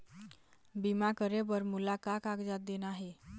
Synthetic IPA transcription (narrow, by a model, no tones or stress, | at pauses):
bimakəɾebəɾmulakakakd͡ʒat̪̚d̪enaɦe